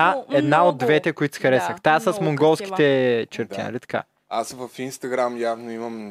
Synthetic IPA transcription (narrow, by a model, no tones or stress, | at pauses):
aɛd̪naod̪ːvɛt̪ɛkoit̪sxɐɾɛsəxt̪asəsmoŋɡɔlˠski̥t̪ɛt͡ʃɛɾt̪a̰ɾit̪ɐ̥ka̰ | asvɐfinst̪ɐɡɾamjavnoimɐm